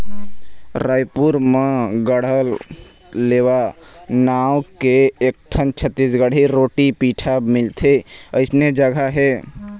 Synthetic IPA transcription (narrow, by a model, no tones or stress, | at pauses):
ɾəjpuɾmẽɡəɽ̤əlː | ewa | nawkeːk̚ʈʰənt͡ʃʰət̪ːisɡəɽ̤ʱiɾoʈipiʈʰamilt̪ʰeəɪsned͡ʒəɡʱaɦɛ